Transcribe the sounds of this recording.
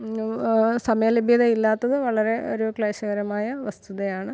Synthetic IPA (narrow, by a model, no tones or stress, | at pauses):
sɐmɐjɐlebʱjɐðɐilːaːt̪ːɐðɨʋɐɭɐɾe̞ʔo̞̰ɾukɭeːɕɐɣɐɾɐmaːjɐʋɐst̪ʰuðɐjaːɳɨ